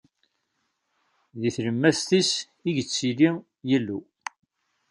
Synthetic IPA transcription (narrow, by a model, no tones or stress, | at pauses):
ðiθləmːæst̪is | iʝət͡sːili | jəlːu